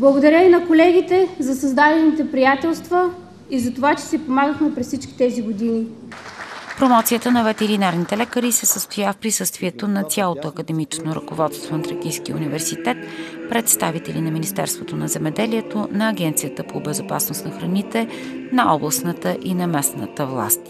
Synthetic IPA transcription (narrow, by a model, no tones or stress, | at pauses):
blˠəɡod̪ɐɾʲəvinɐkolɛɡ̟it̪ɛzɐsɐzd̪ad̪ɛlnit̪ɛpɾijat̪ɛlˠst̪və | izɐt̪ovat͡ʃɛ̥sipomaɡəxmɛpɾɛssit͡ʃkʲi̥t̪ɛziɡod̪ini | pɾomɔt̪sijət̪ənɐvɛt̪ɛɾinaɾnit̪ɛlɛkəɾisɛsəst̪ojafpɾisɤst̪viɛt̪onɐt̪sʲjalˠot̪oɐkəd̪ɛmit͡ʃnoɾəkovɔt̪st̪vonɐt̪ɾɐkijskiṵnivɛɾsit̪ɛt̪pɾɛt̪st̪avit̪ɛlinɐminist̪ɛ̰ɾst̪vot̪onɐzɛmɛd̪ɛliɛt̪onɐːɡɛnt̪sijət̪əpobɛzopa̰snost̪nɐxɾɐnit̪ɛ | nɐʔɔblˠəsnət̪əʔinɐmɛsnə̰t̪əvlˠa̰st̪